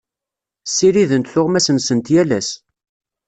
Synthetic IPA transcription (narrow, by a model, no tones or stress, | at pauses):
sːiɾiðənt̪θʊʁmæsənsənt̪jælæs